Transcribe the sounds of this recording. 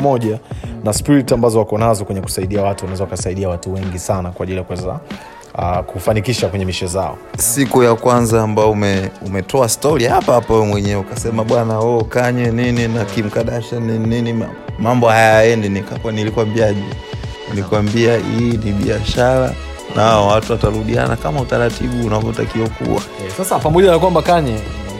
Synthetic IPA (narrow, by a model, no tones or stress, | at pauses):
mɔʄanaspiɾitiambazɔwakɔnazɔkwɛɲɛku̥saiɗiawatuwanaɛzaakasaiɗiawatuwɛŋɡisanakwaʄilijakuwɛza̰ | kufanikiʃakwɛɲɛmiʃɛzaɔ̰sikujakwanzaːmbaɔumɛumɛtʰɔastɔɾihapahapawɛmwɛɲɛɛukasɛmaɓwanawɔkaɲɛnininakim̩kaɗaʃanininia | mambɔhajaaɛndɛnikakwanilikwambiaʄu | likwambiaiːniɓḭaʃaɾa̰ | nʔaɔwatuwataɾuɗia̰nakamautaɾatiɓuːnavɔta̰kiwakṵwa̰ | sasapamɔʄanakwambakaɲɛ